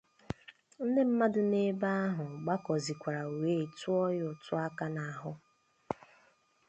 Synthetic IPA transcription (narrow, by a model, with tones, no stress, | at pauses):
n̩˦ne˦m̩˦ma˦dʊ˦ne˦ba˦a˦ɦʊ˨ɡ͡ba˦kɔ˨zi˨kʷa˨ɾa˨we˦˨tʊ˦ɔ˦jʊ˨tʊ˦a˦ka˦na˨a˨ɦʊ˦